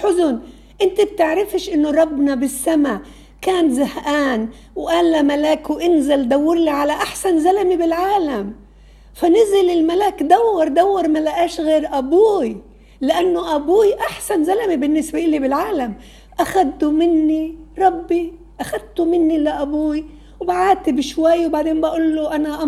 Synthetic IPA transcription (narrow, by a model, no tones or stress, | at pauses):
ħʊzʊn | ʔɪnt̪ɪb̚t̪ɪʕɾɪfɪʃʔɪnːʊɾˤɑbːnabɪsːamaʕ | kaːnzahʔaːn | wʔaːlːamalaːkwʔɪnzald̪awːɪɾˤliʕalaʔaħsanzalamibɪlʕaːlam | fanɪzɪlɪlmalaːkd̪awːɑɾˤd̪awːɑɾˤmalaʔaːʃɣeːɾʔabuːi | lɪʔanːoʔabuːjʔaħsanzalamibɪnːɪsbaʔɪlibɪlʕaːlam | ʔaxad̪t̪umɪnːiɾˤɑbːi | ʔaxad̪̚t̪umɪnːilaʔabuːi | wbaʕaːt̪ibʃwajːwbaʕd̪eːnbaʔuːlːuʔanaʔa